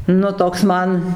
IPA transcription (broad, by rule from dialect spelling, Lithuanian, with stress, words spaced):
nʊ ˈtoːks ˈmɐn